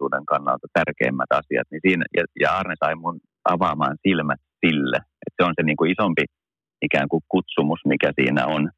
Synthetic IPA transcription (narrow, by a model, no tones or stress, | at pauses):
uːdeŋkɑnːɑ̰lt̪ɑt̪ærkḛːmːæt̪ɑ̰siɑ̰t̪nisiːnæjɑjɑɑːrnesɑimun | ɑʋɑmɑ̰ːnsilmæt̪silːḛ | ʔet̪seonseniːŋkuisompi | ikæːŋkukkut̪sumusmikæsḭːnæ̰on